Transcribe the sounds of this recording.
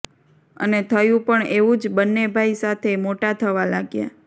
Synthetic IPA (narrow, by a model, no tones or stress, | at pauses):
ə̰net̪ʰəjũpəɳeʋũd͡ʒbənːebʱaisat̪ʰemoʈat̪ʰəʋalaɡja̰